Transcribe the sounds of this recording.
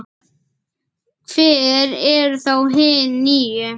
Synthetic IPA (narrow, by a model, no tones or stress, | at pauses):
kʰvɛːɾɛɾθowɦɪniːjʏ